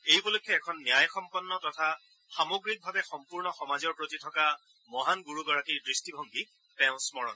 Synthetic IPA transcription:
ejpolokʰːɔɛkʰɔnːjajxɔmpɔnːɔtɔtʰa | xamoɡɹik̚bʱabɛxɔmpuɹnɔxɔmazɔɹpɹotitʰɔka | mɔɦanɡuɹuɡɔɹakiɹdɹistibʱɔŋɡi | tɛ̃ʊ̃smɔɹɔ̰n

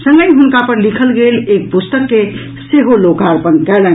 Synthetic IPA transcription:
sə̃ŋɡəjɦunkapəɾlikʰəlɡelek̚pust̪əkːe | seɦolokaɾpənkɛlə

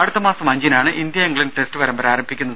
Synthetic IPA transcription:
ɐɽut̪ːɐmaːsɐmɐɲd͡ʑinaːɳɨʔind̪jɐeŋɡɐɭinʈe̞stɨʋɐɾɐmbɐɾaːɾɐmbʱikʲːunːɐð

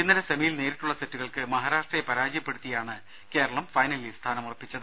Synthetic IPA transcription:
inːɐɾesɐmɐjilne̞ːɾiʈːuɭːɐsetːuɣɐɭkɨmɐɦaːɾaːʂʈrɐjepɐɾaːd͡ʑijɐpːe̞ɽut̪ːijaːɳɨ | ke̞ːɾɐɭɐmfɐjnɐlist̪ʰaːnɐmurɐpːit͡ɕːɐðɨ

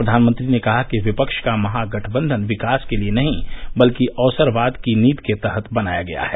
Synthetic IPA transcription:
pɾəd̪ʱaːnmə̃nt̪ɾinekɐɦakiʋɪpəkʃkamɐɦaɡɐʈʰbə̃nd̪ʱənʋɪkaːskelienɐɦĩbɐlkiʔɔːsəɾʋaːd̪kiniːt̪ket̪ɐɦət̪ʰbɐnaːjaɡɐja̰ɦɛː

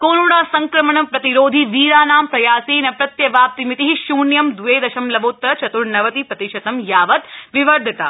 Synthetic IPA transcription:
koːnuɽaːsɐŋkɾɐmɐɳɐpɾɐt̪iɾoːd̪ʱiʋiːɾaːnaːmpɾɐjaːsinɐpɾɐt̪jɐʋaːp̚t̪imit̪iɦiʃuːnjɐmd̪ʱuʋeːd̪ɐʃɐmlɐboːt̪ːɐt͡ʃʰɐt̪uɾnɐʋɐt̪ipɾɐt̪iʃɐt̪ɐmjaːʋɐt̪ʋiʋɐɾd̪ʱit̪a̰ː

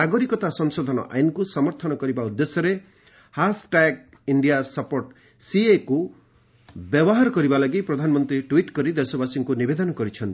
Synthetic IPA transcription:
aɡɔɾikɔt̪asɔŋsɔd̪ʱɔnɔ̰ʔa̰jnkusɔmɔɾt̪ʰɔnɔkɔɾibaud̪ːesɔɾe | hasʈaɡ | iɳɖijasapoɾʈ | sieku | bjɔbɔɦaɾɔkɔɾibalaɡipɾɔd̪ʱanɔmɔnt̪ɾiʈwiʈkɔɾid̪esɔbasiŋkunibed̪ɔnɔkɔɾit͡ʃʰɔnt̪i

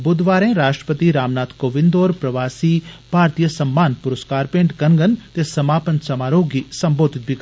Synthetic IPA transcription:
bʊd̪ʋaːɾẽːɾaːʃʈɾə̥pət̪iɾaːmnaːt̪koːʋɪ̃nd̪oːɾpɾɐʋaːsiːbʱaːɾt̪ijəsɐmːaːnpʊɾəskaːɾpẽɳʈɡɐŋɡənt̪esɐmaːpənsɐmaːɾoːɡiːsɐmboːd̪ʱɪt̪̚bʱik

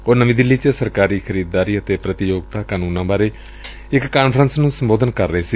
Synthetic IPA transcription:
oːnəʋĩːd̪ɪlːiːt͡ʃəsəɾkaːɾiːkʰəɾiːd̪̚d̪aːɾiːət̪eːpɾət̪ɪjoːɡ̚t̪aːkaːnuːnãːbaːɾeː | ɪkːaːnpʰɾənsnũːsəmboːd̪ənkəɾːəeːsiː

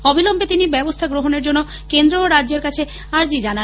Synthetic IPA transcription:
obʱilombʱet̪inibɛbost̪ʰaɡɾoɦoneɾd͡ʑonːo | kend̪ɾoɾadd͡ʑeɾkat͡ɕʰe | aɾd͡ʑid͡ʑana

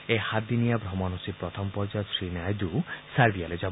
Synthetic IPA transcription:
ehad̪inijabɾɔmɔnusipɾɔt̪ʰɔmpɔɾd͡ʒasɾinajd̪usaɾbialed͡ʒɔ

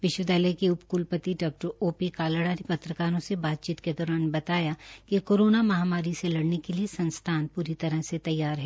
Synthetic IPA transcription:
ʋɪʃʋəd̪əːlekiʊpkuːlpət̪iɖaːk̚ʈəɾoːpikaːləɽaːɾipɐt̪ɾəkaːɾõsebaːt̪̚t͡ʃiːt̪ked̪ɔːɾaːnbɐt̪aːjakikoːɾoːnamɐɦaːmaːɾiselɐɽnekeliesɐ̃nst̪ʰaːnpuːɾit̪ɐɾəɦset̪ɐjːaːɾɦɛː

